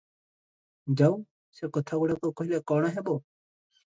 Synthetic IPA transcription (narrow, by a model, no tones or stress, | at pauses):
d͡ʒau | sekɔt̪ʰaɡuɽak̪okɔɦilekɔːɽ̃aɦeːboː